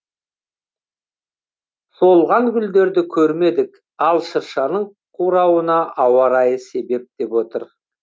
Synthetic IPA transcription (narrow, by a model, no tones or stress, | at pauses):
so̞lˠʁɑŋɡʲʏld̪e̞ɾd̪ɪkʲʰɵɾme̞d̪ɪk | ɑlˠʃəɾʃɑnəɴ | qʰuɾɑwənɑʔɑwɑɾɑjəse̞be̞p̚d̪̥e̞pwo̞t̪əɾ